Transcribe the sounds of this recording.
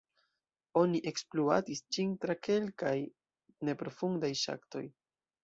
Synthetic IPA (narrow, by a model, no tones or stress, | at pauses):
o̞niʔe̞ksplua̰tisd͡ʒintɾake̞lkaj | ne̞pɾo̞fundajʃa̰kto̞̰j